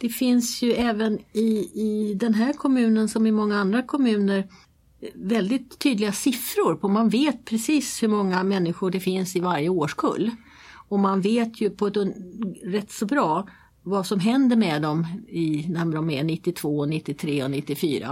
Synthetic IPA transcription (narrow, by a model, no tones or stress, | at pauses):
d̪̥ɛfɪnsjɵɛːvənɪːd̪ɛnɦæːɾkʰɔmʉ̟ːnənsɔmɪmɔŋːaand̪ɾakʰɔmʉ̟ːnəɾ | vɛld̪ɪt̪ʰːyːd̪lɪɡasɪfɾʊɾpʰɔmanveːt̪̚pʰɾɛsiːshɵɾmɔŋːamɛnːɪɧʊɖɛfɪnsɪvaɾjəoːʂkʰɵ̰lː | ɔmanveːt̪ʰjɵpʰɔd̪ | ɾɛt̪ːsɔbɾɑː | vasɔmɦɛnd̪əɾmɛd̪ɔmɪnæɖɔmænɪt̪ːɪt̪ʰv̥oːɔnɪt̪ːɪt̪ʰɾeːɔnɪt̪ːɪfyːɾa̰